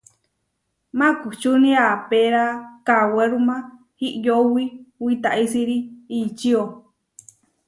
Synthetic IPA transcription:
mãkut͡ʃunĩapeɾakaweɾumã | hiʔjowiwit̪aʔisiɾiit͡ʃio

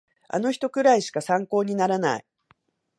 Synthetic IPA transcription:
a̰no̞çi̥t̪o̞kɯ̟ɾaiɕi̥kasãŋko̞ːɲ̟inaɾana̰i

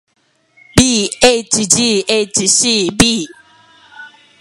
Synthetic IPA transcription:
bietid͡ʒietisibi

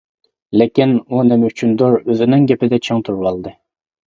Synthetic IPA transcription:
lekʲinunɪmɛyt͡ʃʰynd̪oɾøzɪnɪŋɡʲɛpɪd̪ɛt͡ʃʰeŋt̪ʰuɾwɑlˠd̪ɨ

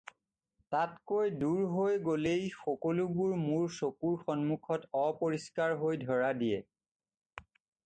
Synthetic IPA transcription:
tatkojduɹɦojɡolejxɔkɔlubuɹmuɹsokuɹxɔnmukʰɔtɔpoɹiskaɹɦojdʱɔɹadijɛ

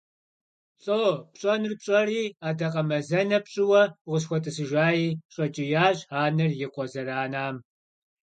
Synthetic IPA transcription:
ɬʼoːpɕʼɐnɨrpɕʼɐriːaːdɐqɐmɐzɐnɐpɕʼɪwɐʁʷʊs̬xʷɔtʼɨsɨʒʷaːjiːɕʼɐt͡ʃʼɪjaːɕʼaːnɨrjɪqʷɔzɐɾaːnaːm

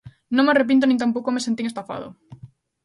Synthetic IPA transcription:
nõŋmearep̬int̪̬onĩnt̪̬amp̬owkomesent̪iŋest̪afa̰ðo̰

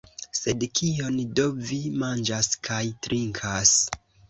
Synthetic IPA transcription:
se̞dkʰio̞ndo̞vimand͡ʒaskʰajtɾʔiŋkʰas

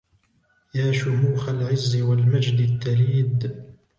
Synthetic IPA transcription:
jaːʃʊmuːxalʕɪzːɪwalmad͡ʒd̪ɪt̪ːaliːd̪

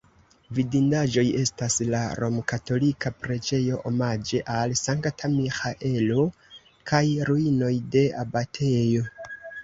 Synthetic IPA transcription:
vidindaʒo̞je̞staslaɾʔo̞mkato̞likʰapɾe̞d͡ʒe̞jo̞ʔo̞mad͡ʒe̞ʔalsaŋktʰamixaʔe̞lo̞ | kʰajɾuino̞jde̞abatʰe̞jo̞

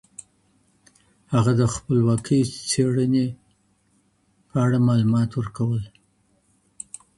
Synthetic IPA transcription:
haɣad̪əxpəlwɑkʰəjt͡seɽəne | pəaɽamɑlumɑt̪wəɾkawəl

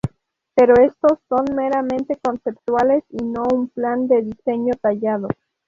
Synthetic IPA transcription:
pe̞ɾo̞e̞st̪o̞sːo̞nmeɾamẽ̞nt̪e̞ko̞nse̞pt̪wale̞sino̞umpland̪e̞ðise̞ɲo̞t̪aʝaðo̞

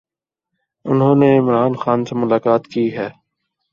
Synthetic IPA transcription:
ʊnɦõːneɪmɾaːnxaːnsemʊlaːkaːt̪kiːɦɛː

